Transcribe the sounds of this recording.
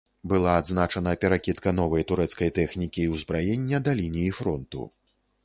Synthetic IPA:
bɨlˠaːd̪znat͡ʂɐnɐpʲɛɾakʲit̪kɐn̪ɔvɐjt̪uɾɛt̪skɐjt̪ɛxnʲikʲiːwzbɾajenʲːɐd̪alʲinʲijifɾɔnt̪ṵ

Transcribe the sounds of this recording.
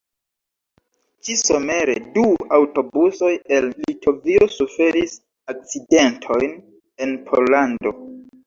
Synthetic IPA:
t͡ʃiso̞me̞ɾe̞duawto̞buso̞je̞lːitʰo̞vio̞sufe̞ɾis | ak̚t͡side̞ntʰo̞jn | e̞npʰo̞lando̞

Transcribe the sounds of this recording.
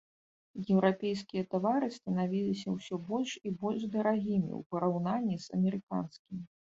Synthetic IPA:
jɛwɾapʲɛjskʲijɐt̪avaɾɨst̪ɐnavʲilʲisʲɐwsʲɔbɔlʲʂibɔlʲʐd̪ɐɾaɣʲimʲḭwpɐɾawnanʲːizɐ̰mʲɛɾɨka̰nskʲimʲi

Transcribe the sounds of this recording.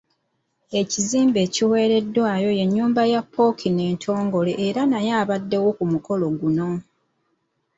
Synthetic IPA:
e̞ciziːmbe̞ːciwe̞ːɾe̞dːwaːjo̞je̞ɲːuːmbajapʰːo̞kʰine̞ːntʰo̞ːŋɡo̞le̞ʔːɾanajaːβadːe̞wo̞kumuko̞lo̞ɡuno̞

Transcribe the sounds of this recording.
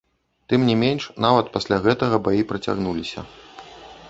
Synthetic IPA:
t̪ɨmnʲimʲenʲʂnavɐt̪pasʲlʲaɣɛt̪ɐɣɐbajipɾɐt͡sʲa̰ɣnulʲisʲɐ̰

